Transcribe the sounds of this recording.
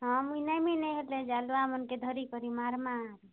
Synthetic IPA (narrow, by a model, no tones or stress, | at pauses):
ɦɔ̃minajminɛɦeled͡ʒaluamənked̪ʱɔɾikɔɾimaɾmabi